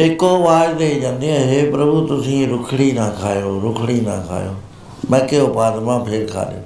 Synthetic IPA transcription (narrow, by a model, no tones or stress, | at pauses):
ɪkoːʋaːd̪eiːd͡ʒãːnd̪iɛ̃ːɦeːpɾəbut̪ʊsĩːɾʊkʰɽiːnãːkʰaːjoːɾʊkʰɽiːnã̰ːkʰa̰ːjoː | mə̃ːkeʊpaːd̪mãːpʰeːɾkʰa̰ːɗjo̰ː